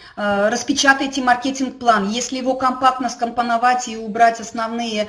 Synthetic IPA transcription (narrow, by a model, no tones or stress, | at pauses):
ɾəspʲɪt͡ɕat̪əjtʲɪmɐrkʲetʲɪnk̚plˠanjesʲlʲɪjɪvo̞kɐmpak̚t̪nəskəmpənavatʲiʊbɾatʲɐsnɐvnɨjə